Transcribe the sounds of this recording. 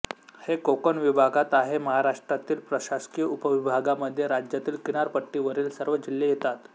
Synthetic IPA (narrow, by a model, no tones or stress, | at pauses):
hekokənʋibʱaɡat̪aɦeməɦaɾaʂʈɾat̪iːlpɾəɕaskijəupəʋibʱaɡaməd̪ʱːjeɾad͡ʑjat̪iːlkinaɾpəʈːiːʋəɾiːlsəɾʋəd͡ʑilːejet̪at̪